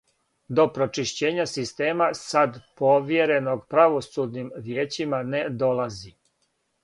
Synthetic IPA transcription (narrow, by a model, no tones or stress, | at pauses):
d̪o̞pɾo̞t͡ʃiʃt͡ɕe̞ːɲasist̪e̞ːmasad̪po̞ʋje̞ɾe̞no̞ɡpɾaʋo̞sud̪nimʋjeːt͡ɕimaned̪o̞lazi